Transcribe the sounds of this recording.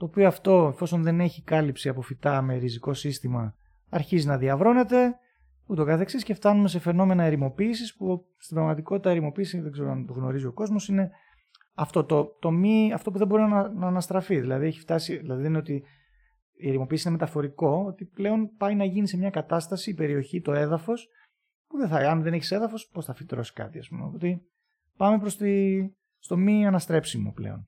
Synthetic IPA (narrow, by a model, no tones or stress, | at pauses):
t̪o̞ːpioɐft̪o̞e̞fo̞so̞nðe̞ne̞çikɐlipsiɐpo̞fit̪ɐme̞ɾiziko̞sist̪imɐ | ɐɾçizinɐðiɐvɾo̞ne̞t̪e̞ | ut̪o̞kɐθe̞ksisce̞ft̪ɐnume̞se̞fe̞no̞me̞nɐeɾimo̞piːsispu | st̪ibɾɐɣmɐt̪iko̞t̪i̥t̪ɐeɾimo̞piːsiðeɡze̞ɾoɐnt̪o̞ɣno̞̰ɾizio̞ko̞zmo̞sine̞ | ɐft̪o̞t̪o̞t̪o̞miɐft̪o̞p̬uðebo̞ɾinɐnɐːnɐst̪ɾɐfiðilɐðieçi̥ft̪ɐsiðilɐðiðineot̪i | ieɾimo̞piːsiineme̞t̪ɐfo̞ɾiko̞ot̪iple̞o̞npɐjnɐʝinise̞mɲɐkɐt̪ɐst̪ɐsiːpe̞ɾio̞çit̪o̞e̞ðɐfo̞s | puðeθɐɐnðeneçi̥se̞ðɐfo̞spo̞sθɐfit̪ɾo̞si̥kɐ̰t̪iɐ̰spumeopo̞t̪e | pɐmepɾost̪i | st̪o̞miɐnɐst̪ɾe̞psimo̰ple̞̰o̞̰n